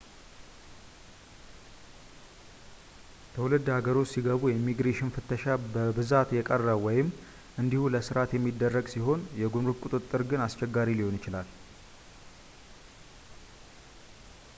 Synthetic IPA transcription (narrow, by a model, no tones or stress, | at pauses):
t̪ʰəwulɨd̪ːhaɡəɾo̞t͡ʃːsiɡəβujɛimːiɡɾeʃɪnfɨt̪ʰːəʃabəbɨzat̪jɛkʼərːəwwɔjɪm | ʔɨnd̪ihuləsɨɾat̪jɛmːid̪ːərːəɡsiɦo̞njɛɡumɾukʼut̪ʼɨt̪ʼːɨɾɡɨnast͡ʃɛɡːaɾiliho̞nɪt͡ʃɪlal